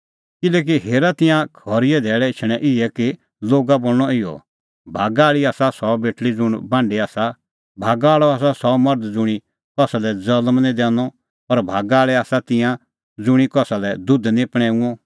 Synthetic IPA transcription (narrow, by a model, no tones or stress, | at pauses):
kɪlɛːk̬iɦeːɾat̪ɪ̃jãkʰɔːɾɪɛd̪ʱɛːɭɛɪt͡ʃʰɽ̃ɛʔɪɛki | loːɡaboːlñɔɪjɔ̰ | bʱaːɡaːɭiaːsasɔbeːʈlid͡zʊɽ̃bãːɳɖiaːsa | bʱaːɡaːɭɔaːs̬asɔmɐɾd̪d͡zʊɽ̃i | kɔsalɛd͡zɐlmnĩd̪ɛ̃ːnɔ | ɔɾbʱaːɡaːɭɛaːsat̪ɪ̃jã | d͡zʊɽ̃ikɔsalɛd̪ʊd̪nĩpɽ̃ɛ̃ːũɔ̃